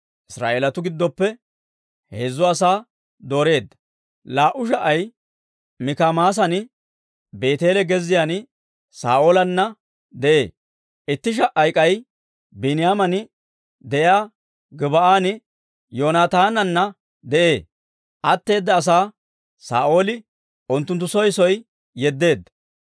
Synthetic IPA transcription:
ʔɪsɾa̰ːʔeːlɐt̪ʊɡɪd̪ːɔpːɛ | heːzːʊɐsaː | d̪o̞ːɾe̞ːd̪ːɐ̥ | laːʔʊʃ̬ɐʔɐj | mɪkamaːs̬ɐnɪ | be̞ːt̪e̞ːlɛɡɛzːɪjaːnɪ | sa̰ːʔoːlɐnːɐ | d̪ɛʔe̞ː | ʔɪt̪ːɪʃ̬ɐʔɐjkʼɐj | bɪnɪjaːmɐnɪ | d̪ɛjaː | ɡɪbɐʔaːnɪ | joːnaːt̪aːnɐnːɐ | d̪ɛʔe̞ː | ʔɐt̪ːe̞ːd̪ːɐːs̬aː | sa̰ːʔo̞ːlɪ | ʔʊnt̪ːʊnt̪ːʊsɔjsɔj | jɛd̪ːe̞ːd̪ːɐ̥

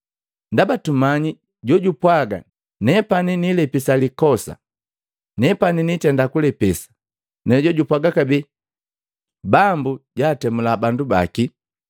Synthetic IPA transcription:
ndabatumaɲi | ɟɔɟupwaɡa̰ | nɛpaninilɛpisalikɔsa̰ | nɛpaninitɛndakulɛpɛsḁ | nɛɟɔɟupwaɡakabɛ | bambuɟaːtɛmulabanduba̰ki

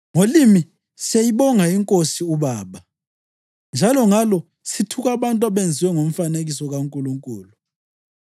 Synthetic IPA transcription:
ŋolimi | sejiɓɔŋaiŋkʼosiuɓaːɓa | nd͡ʒʱalɔŋalɔ | sitʰuk̬aɓantʼwaɓend͡zʱiwɛŋom̩faneɣisɔɣaŋkʼuluŋkʼuːlu

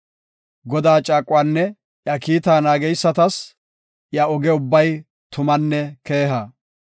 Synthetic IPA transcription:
ɡɔd̪aːt͡ʃʼaːkʼːʊwaːnːɛ | jɐkiːt̪aːnaːɡɛjsːɐt̪ɐs | jɐɔɡɛʊbːɐj | t̪ʊmɐnːɛke̞ːɦɐ

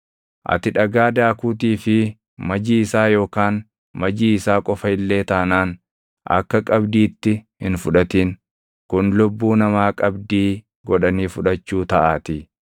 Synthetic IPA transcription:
ʔɐ̰t̪ɪᶑɐɡaːd̪aːkuːt̪̬iːfɪ | mɐd͡ʒiːɪsaːjo̞ːkaːn | mɐd͡ʒiːɪsaːkʼɔfɐɪlːe̞ːt̪ɐnaːn | ʔɐ̰kːɐkʼɐbd̪iːt̪ːɪhɪnfʊᶑɐt̪iːn | kʊnlʊbːuːnɐmaːkʼɐbd̪iː | ɡɔᶑɐniːfʊᶑɐt͡ʃːuːt̪ɐʔaːt̪ɪ

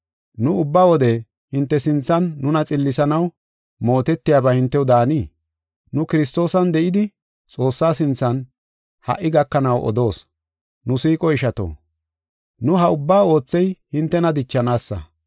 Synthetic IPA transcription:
nʊʊbːaːwɔd̪ɛ | hɪnt̪ːɛsɪnt͡sːɐnːʊnɐt͡sʼɪlːɪsɐnɐw | mo̞ːt̪ɛt̪ːɪjaːbɐhɪnt̪ːɛwʊd̪aːniː | nʊkɪɾɪst̪o̞ːsɐnd̪ɛʔɪd̪ɪ | t͡sʼo̞ːsːaːsɪnt͡sːɐn | hɐ̰ʔːɪɡɐkːɐnɐwʔɔ̰d̪o̞ːs | nʊsiːkʼɔɪʃɐt̪o̞̰ː | nʊɦɐʊbːaːo̞ːt͡sːɛjhɪnt̪ːɛnɐd̪ɪt͡ʃːɐnaːsːɐ̰

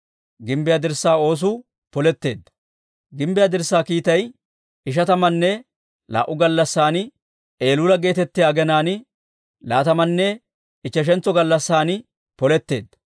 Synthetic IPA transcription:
ɡɪmbɪjaːd̪ɪɾsːaːo̞ːs̬ʊ | pɔlɛt̪ːe̞ːd̪ːɐ̥ | ɡɪmbɪjaːd̪ɪɾsːaːkiːt̪ɐj | ɪʃ̬ɐt̪ɐmɐnːɛ | la̰ːʔʊɡɐlːɐsːaːn | e̞ːlulɐɡe̞ːt̪ɛt̪ːɪjaːɡɛnaːn | laːt̪ɐmɐnːɛ | ɪt͡ʃːɛʃ̬ɛnt͡sːɔɡɐlːɐsːaːn | pɔlɛt̪ːe̞ːd̪ːɐ

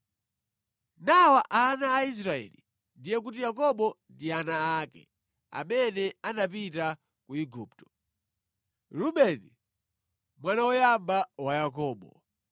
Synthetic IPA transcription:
nawaʔanaːis̬ɾaɛ̰lḭ | ndijɛk̬utijakɔɓɔndianaːkɛ̰ | a̰mɛnɛanapita | kuiɡuːp̚tɔ̥ | luɓɛni | mwanawɔjambawajakɔːɓɔ

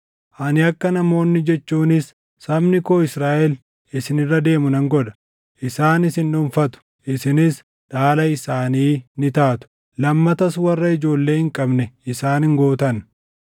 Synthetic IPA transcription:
ʔɐnɪɐkːɐnɐmo̞ːnːɪd͡ʒɛt͡ʃːuːnɪsː | ɐmnɪkoːɪsɾaːʔɛl | ɪsɪnɪrːɐd̪e̞ːmʊnɐŋɡɔᶑɐ̥ | ʔɪsaːnɪsɪnːʊɱfɐt̪ʊ̥ | ʔɪsɪnɪs | ᶑaːlɐɪsaːniːnɪt̪aːt̪ʊ̥ | lɐmːɐt̪ɐswɐrːɐɪd͡ʒo̞ːlːe̞ːhɪŋkʼɐbnɛɪsaːnɪŋɡo̞ːt̪ɐn

